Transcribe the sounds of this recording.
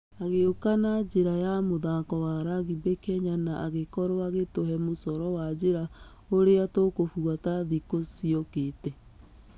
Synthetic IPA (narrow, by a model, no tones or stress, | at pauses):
aɣeokanad͡ʒeɾajamoðakɔwaɾaɣibekɛɲanaʔaɣekɔɾoaɣetoɦɛmosɔɾɔwad͡ʑeɾa | oɾeatokofuataðikosiɔketɛ